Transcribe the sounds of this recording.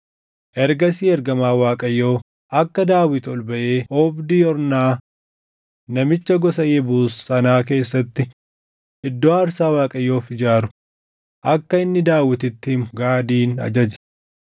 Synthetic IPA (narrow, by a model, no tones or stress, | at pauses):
ʔɛɾɡɐsiːɛɾɡɐmaːwaːkʼɐjːo̞ː | ʔɐkːɐd̪aːwɪt̪ɔlbɐʔe̞ːʔɔːbd̪iːɔɾnaː | nɐmɪt͡ʃːɐɡɔsɐjɛbuːsːɐnaːk̬e̞ːsːɐt̪ːɪ | ɪd̪ːoːɐɾsaːwaːkʼɐjːo̞ːfɪd͡ʒaːɾʊ̥ | ʔɐkːɐɪnːɪd̪aːwɪt̪ɪt̪ːɪmɡaːd̪iːnɐ̰d͡ʒɐd͡ʒɛ̥